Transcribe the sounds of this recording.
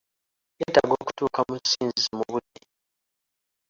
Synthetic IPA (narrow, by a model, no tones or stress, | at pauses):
etaɡoku̥tuːkamusiːnzimuβudːi